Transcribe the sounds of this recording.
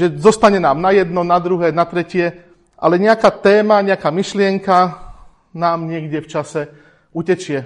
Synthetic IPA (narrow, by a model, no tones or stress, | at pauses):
ʒɛzɔst̪aɲɛnaːmnajɛd̪nɔnad̪ɾuɦɛːnat̪ɾɛcɪɛ | ʔa̰lɛɲɛakaːt̪ɛːmaɲɛakaːmiʃlɪɛŋka | naːmɲɪɛɡɟɛft͡ʃasɛ | ucɛt͡ʃɪɛ